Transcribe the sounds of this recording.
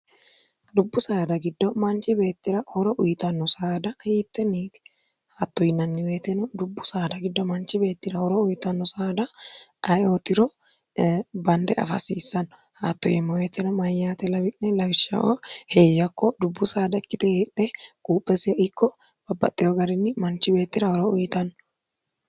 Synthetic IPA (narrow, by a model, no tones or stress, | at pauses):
d̪ʊbːʊsaːd̪ɐɡɪd̪ːɔmɐnt͡ʃʼːɪbe̞ːt̪ːɪɾɐhɔɾɔʔʊjt̪ɐnːɔsaːd̪ɐjiːt̪ːɛniːt̪ɪ̥ | haːt̪ːɔjɪnːɐnːɪwet̪ɛnɔd̪ʊbːʊsaːd̪ɐɡɪd̪ːɔmɐnt͡ʃːɪbe̞ːt̪ːɪɾɐhɔɾɔʊjt̪ɐnːɔsaːd̪ɐɐjoːt̪ɪɾɔ | bɐnd̪ɛʔɐ̰fɐ̰siːsːɐnːɔ | ha̰ːt̪ːɔjɛmːɐweːt̪ɛnɔmɐjːaːt̪ɛlɐbɪʔnɛlɐwɪʃːɐ̰wɔ̰heːjːɐkːɔd̪ʊbːʊsaːd̪ɐkʼːɪt̪ɛheːpʼːɛkʼuːpʼːɛsɪjɪkːɔ | b̥ɐbːɐ̰t̪ʼːɪjɔɡɐɾɪnːɪmɐnt͡ʃːɪbe̞ːt̪ːɪɾɐhɔɾɔʊjɪt̪ɐnːɔ